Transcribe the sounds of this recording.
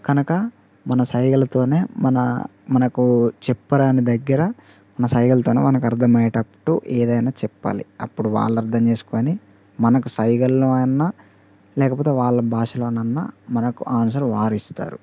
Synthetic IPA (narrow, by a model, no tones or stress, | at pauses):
kɐnukɐ | mɐnɐsɐjɡɐlɐt̪o̞ːne̞ːmɐnɐ̰ | mɐnɐkut͡ʃɛpːɐɽaːnid̪ɐɡːɐɾɐ | mɐnɐsɐjɡɐlɐt̪o̞ːnḛːmɐnɐkɐɾd̪ʰʱɐmɐjɐʈɐpːɐʈuʔɛːd̪ɐjnaːt͡ʃɛpːa̰ːlḭɐpːuɽuʋa̰ːɭːɐɐɾd̪ʰʱɐɲt͡ʃe̞ːsu̥koːni | mɐnɐkusɐjɡɐlːoːɐnːa | lɛːkɐp̬oːt̪e̞ːʋaːɭːɐbʱaːʂɐloːnɐnːa̰ːmɐnɐkuʔaːnsɐɾʋaːɾist̪a̰ːɾu